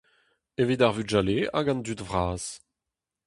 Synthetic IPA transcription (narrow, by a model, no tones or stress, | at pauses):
evid̪aʁvyʒalea̰ɡɑ̃nd̪ytvʁaːz̥